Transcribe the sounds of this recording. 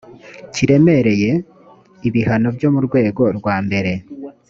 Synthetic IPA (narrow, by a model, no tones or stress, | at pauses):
ciɾe̞me̞ɾe̞je̞ | iβihano̞bjo̞muɾɡwe̞ːɡo̞ɾɡwaːmbe̞ɾe̞